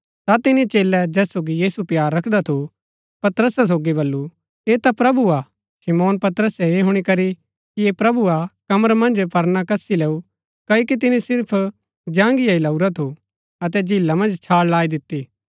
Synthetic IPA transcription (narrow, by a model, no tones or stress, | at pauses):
t̪at̪ɪnĩt͡ʃeːlːɛd͡ʒɛːsoːɡijiːsupjaːɾːɐkʰd̪at̪ʰu | pɐt̪ɾəsas̬oːɡiβɐlːu | eːt̪apɾɐbua | sɪmoːnpɐt̪əɾəsɛeɦʊɽ̃ikɐɾi | kiepɾɐbuakɐməɾmɐ̃nd͡ʒpɐɾnakɐsileːu | kɐokit̪ɪnisɪɾpʰ | d͡ʒãːŋɡijailɐuɾat̪ʰu | ɐt̪̬ɛd͡ʒʱɪlːamɐ̃nd͡ʒt͡ʃʰaːɽlaːid̪ɪt̪ːiː